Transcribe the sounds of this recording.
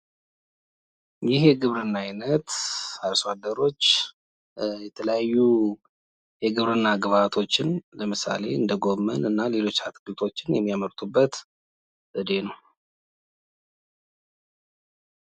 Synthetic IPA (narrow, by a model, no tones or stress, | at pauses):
jɪhjɛɡɨβɾɨnːajnət̪alswad̪ːəɾo̞t͡ʃː | jɛt̪ʰələjajːu | jɛɡɨβɾɨnːaɡɨβat̪ʰo̞t͡ʃːɪnləmɨsa̰le̞ɨnd̪əɡo̞mːənɨnːale̞lo̞t͡ʃːat̪kɨlt̪ʰo̞t͡ʃːɪnjɛmːijaməɾt̪ʰubːət̪ | əd̪e̞nəw